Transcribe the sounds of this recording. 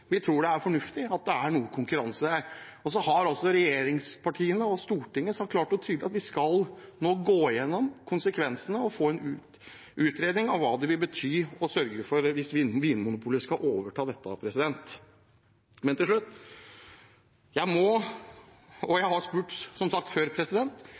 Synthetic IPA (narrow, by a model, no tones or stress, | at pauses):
ʋɪt̪ʰɾuːɖɛæɾfɔɳʉft̪ɪɑt̪̚d̪ɛæɳuːəkʰʊŋkʉɾɑnsəd̪æɾɔs̬ɔhɑɾɑlsɔɾɛjeːɾɪŋspʰɑʈʰiːənəɔst̪uːʈɪŋːəsɔhɑɾkʰlɑːʈːʊt̪ʰyːd̪lɪɑt̪ʋɪskɑlnoːɡoːjɛnːɔmkʰʊnsəkʰʋɛnsənəɔfoːɛnʉ | ʔʉːt̪ɾeːd̪nɪŋɑʋʋɑːd̪ɛʋɪlbət̪ʰyːɔsœɾɡəfɔɾʋɪsʋɪnʋɪnːmʊnʊpʰuːləskɑʔoːʋəʈʰɑːd̪ɛt̪ːəɑ̰pʰɾɛsɪd̪ɛnt̪ | mɛnt̪ɪlʂɭʉt̪ː | jæɪmɔ | ɔjæɪhɑɾspʉːʈsɔmsɑk̚t̪føːɾpʰɾɛsɪd̪ɛnt̪